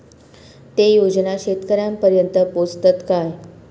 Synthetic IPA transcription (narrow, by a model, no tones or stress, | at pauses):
t̪ejod͡ʑnaɕet̪kəɾjampəɾjənt̪əpost̪ət̪kaj